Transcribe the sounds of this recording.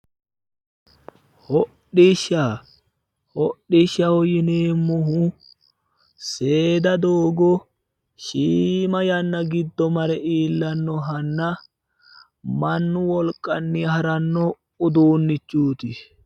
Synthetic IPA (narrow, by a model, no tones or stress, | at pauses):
hɔɗɪʃɐ | hɔɗːɪʃɐhɔjɪneːmːʊɦu | seːd̪ɐd̪oːɡɔ | ʃiːmɐjɐnːɐɡɪd̪ːɔmɐɾɛʔiːlːɐnːɔɦɐnːɐ | mɐnːʊwɔlkʼːɐnːihɐɾɐnːɔ | ʊd̪uːnːɪt͡ʃːuːt̪ɪ